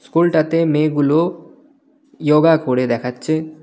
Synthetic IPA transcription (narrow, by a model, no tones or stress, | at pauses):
skulʈat̪emeɡulo | joɡakoɽed̪ɛkʰatːɕʰe